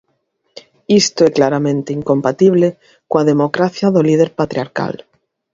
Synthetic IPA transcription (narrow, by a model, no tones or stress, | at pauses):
ist̪oeklaɾamẽnt̪eiŋkõmpat̪iβle | koaðemokɾaθjaðolið̞eɾpat̪ɾjaɾka̰l